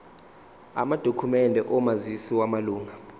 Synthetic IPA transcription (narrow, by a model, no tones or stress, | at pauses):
a̰mad̥ʱokʰumɛndʱɛʔɔmazisiwamaluːŋa